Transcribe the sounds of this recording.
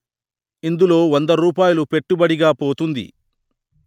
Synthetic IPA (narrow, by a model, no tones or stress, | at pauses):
ind̪ulo̞ːʋond̪ɐɾuːp̬aːjulupe̞ʈːubɐɽiɡaːpoːt̪und̪ḭ